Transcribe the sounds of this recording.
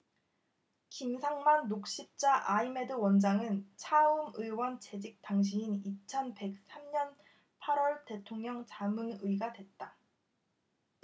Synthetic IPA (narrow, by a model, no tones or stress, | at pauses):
kimsʰaŋmanːok̚ɕ͈ip̚t͡ɕ͈aʔaime̞dɯwʌnd͡ʑaŋɯnt͡ɕʰaɯmɯjwʌnt͡ɕe̞d͡ʑik̚t͈aŋɕ̬ʰiinit͡ɕʰʌnpe̞k̚s͈amɲʌn | pʰaɾwʌɭte̞tʰoŋɲʌŋt͡ɕamɯnɯiɡadwe̞t̚t͈a